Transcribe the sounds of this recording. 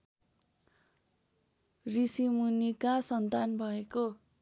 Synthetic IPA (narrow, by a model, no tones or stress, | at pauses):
risimunikasʌnt̪anbʱʌeko